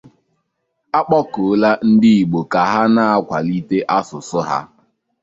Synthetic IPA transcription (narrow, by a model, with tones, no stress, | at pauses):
a˦k͡pɔ˦ko˨˦la˦n̩˦dɪ˦i˨ɡ͡bo˨ka˨ɦa˦na˦a˦kʷa˨li˦te˦ʔa˦sʊ˨sʊ˦ɦa̰˦